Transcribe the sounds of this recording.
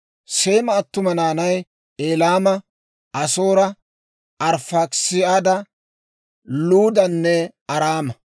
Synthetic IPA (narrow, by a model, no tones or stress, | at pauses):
seːmɐːt̪ːʊmɐnaːnɐj | eːlaːmɐ | ʔɐsoːɾɐ | ɐɾfɐksɪad̪ɐ | luːd̪ɐnːɛ | ɐɾaːmɐ